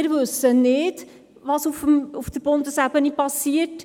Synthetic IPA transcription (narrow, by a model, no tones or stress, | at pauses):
ɪɾʋɵsənɪd̥ | ʋɑsufəmufd̥̪əɾb̥ʊnd̪əsæbənipɑsiət